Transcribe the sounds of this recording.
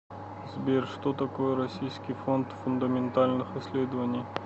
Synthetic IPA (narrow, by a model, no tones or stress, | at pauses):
zbʲerʲʂt̪ot̪ɐkojəɾɐsʲijskʲɪjfont̪fʊnd̪əmʲɪnt̪alʲnɨxɪsʲlʲed̪əvənʲɪj